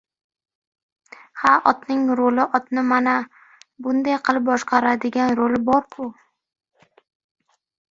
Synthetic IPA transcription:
haʔɒt̪nɪŋɾolɪʔɒt̪nɪmana | bʊnd̪ajqʰɨlˠɪp̚bɒʃqɑɾad̪ɪɡʲanɾolɪbɒɾkʰʊ

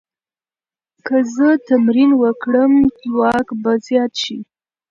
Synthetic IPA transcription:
kəzət̪amɾinwəkɽəmtwɑkbazjɑt̪ʃi

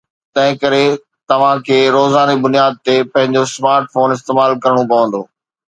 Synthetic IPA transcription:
t̪ɐ̃ɦɪ̃kɐɾe | t̪ɐʋ̤ãkʰeːɾoːzaːnibʊnijaːd̪̚t̪epɐ̃ɦɪ̃ɲd͡ʑosmaːɾʈfoːnɪst̪eːmaːlkɐɾɽ̃õpɐʋə̃nd̪oː

